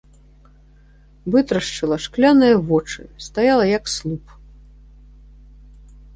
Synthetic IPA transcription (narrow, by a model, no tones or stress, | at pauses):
vɨt̪ɾɐʂt͡ʂɨlˠɐʂklʲanɨjɐvɔt͡ʂɨ̰st̪ajalˠɐjɐkslˠup